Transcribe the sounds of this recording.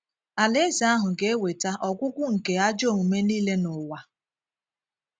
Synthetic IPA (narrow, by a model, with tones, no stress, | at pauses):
a˨le˦za˨a˦ɦʊ˨ɡe˨e˦we˨ta˦ʔɔ˨kʷʊ˦kʷʊ˦ŋ̩˨ke˨a˦d͡ʒo˦˨ŋu˨me˦niː˦le˦nʊ˨wa˦